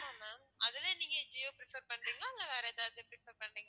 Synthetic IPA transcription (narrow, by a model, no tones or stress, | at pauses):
aːŋɐ | ɐðɯlẽːniːŋɡɐd͡ʒɪjoːpɪɾɪfɐɾpɐɳɖiːŋɡɐɪŋɡɐʋeːɾɛɐðaːððɯpɾɪfɐɾpɐɳɖiːŋɡɐ